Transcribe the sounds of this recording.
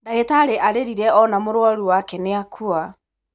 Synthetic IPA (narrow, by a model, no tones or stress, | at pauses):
daetaɾeʔaɾeɾiɾɛɔnamoɾwɔɾuwakɛneakʰua